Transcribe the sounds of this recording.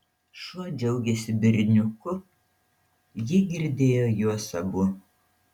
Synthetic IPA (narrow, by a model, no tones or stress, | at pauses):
ʃuɔd͡ʒʲɛʊɡʲɛsʲɪbʲɪɾʲnʲʊkʊ | jɪɡʲɪɾʲd̪ʲeːjoːjuɔsɐbʊ